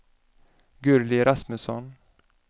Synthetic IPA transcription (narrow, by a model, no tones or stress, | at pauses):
ɡɵɾlɪɾasməsɔn